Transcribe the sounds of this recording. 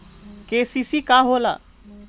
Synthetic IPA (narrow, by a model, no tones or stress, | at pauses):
keːsisiːkaːɦoːla̰